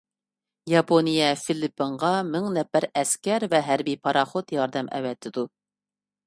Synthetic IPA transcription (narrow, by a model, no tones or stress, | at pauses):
jɑpʰonijɛfilɪpːɨɴʁɑmɪŋnɛpːæɾɛskʲɛɾvɛɦæɾbijpʰɑɾɑχot̪jɑɾd̪ɛmʔɛ̰vɛt̪ʰːɪd̪u